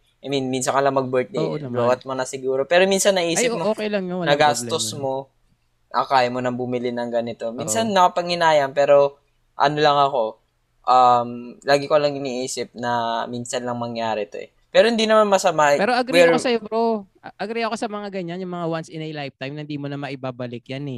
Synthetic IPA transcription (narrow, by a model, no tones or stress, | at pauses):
ʔɐjminminsɐŋkɐlɐŋmɐɡ̚bɛɹt̪̚d̪ejblowɐt̪̚monɐsɪɡuːɾo̞pɛːɾo̞miːnsɐnːɐʔiːɪmooːkejlɐŋjonɐɡast̪osmo̞ | ʔɐ̰kaːjɐmo̞nɐŋbʊmɪlɪnɐŋɡɐnɪt̪o̞miːnsɐnːɐkɐpɐŋhɪnaːjɐmpɛːɾo̞ | ʔɐ̰nolɐŋɐko̞ | ʔamlaːɡɪkolɐŋɪniːʔiːsɪp̚nɐminsɐnlɐŋmɐŋjaːɾɛt̪o̰ʔɛ̰ | pɛːɾo̞hɪnd̪inɐmanmɐsɐmapɛːɾoʔɐɡɾwɛkosɐjobɾo | ʔɐɡɾɛjɐkosɐmɐŋaɡɐɲanjʊŋmɐŋawansɪnɐlajft̪ajmnɐnd̪iːmonɐmɐʔɪbaːbɐlɪkjanɛ